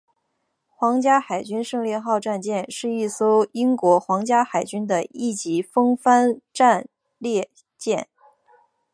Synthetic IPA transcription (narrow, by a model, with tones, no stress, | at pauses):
xwɑ˧˥ŋt͡ɕja˥xa˨˩ɪt͡ɕy˥nʂɤ˥˧ŋljɛ˥˧xɑ˥˧ʊʈ͡ʂa˥˧nt͡ɕjɛ˥˧nʂɻ̩˥˧i˥˩so˥ʊi˥ŋkwɔ˧˥xwɑ˧˥ŋt͡ɕja˥xa˨˩ɪt͡ɕy˥nd̪ə˨i˥˩t͡ɕi˧˥fɤ˥ŋfa˥nʈ͡ʂa˥˧n | ljɛ˥˧ | t͡ɕjɛ˥˩n